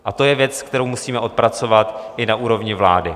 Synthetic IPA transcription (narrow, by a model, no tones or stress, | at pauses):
ʔat̪o̞jɛvjɛt͡skt̪ɛɾo̞wmusiːmɛʔo̞t̪̚pɾat͡so̞vat̪ʔɪnaʔuːɾo̞vɲɪvla̰ːdɪ